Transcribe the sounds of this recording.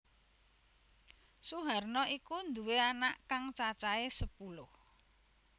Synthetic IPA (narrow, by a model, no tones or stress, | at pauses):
suɦarnɔikund̪uweanaʔkaŋt͡ʃat͡ʃaesəpulʊh